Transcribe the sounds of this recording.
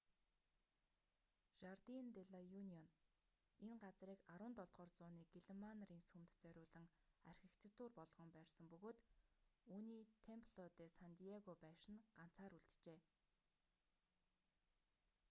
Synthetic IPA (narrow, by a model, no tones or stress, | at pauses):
ʃart̪int̪eɮajuniɔn | eŋɢat͡sriːkaɾwʊ̆ːnt̪ɔɮʁ̥ɔːrt͡sʊːniːk̚iɮemanriːnsumt̪t͡sœɾʲʊːɮɘ̆ŋarʲxʲɘ̆kt͡sʰɘ̆t̪uːrpɔɮʁ̥ɞ̆mpæːrsə̆mpɵɣoːt̪uːniːt̪ʰempʰɮɔt̪eːsant̪iaɣopæːʃɪ̆nɢ̥an̥t͡saːɾuɮt̪t͡ɕeː